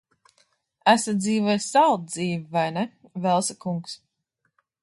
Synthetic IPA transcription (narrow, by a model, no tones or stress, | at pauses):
æsad̪ziːvɔjsalˠd̪̚d̪ziːvivajnɛvɛlˠsakuŋks